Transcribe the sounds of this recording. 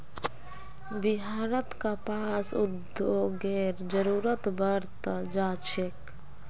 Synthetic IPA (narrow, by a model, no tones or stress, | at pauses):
bɪɦaːɾət̪kapaːsʊd̪oɡeːɾd͡ʒəɾuːɾət̪bəɾt̪d͡ʒaːt͡ʃʰek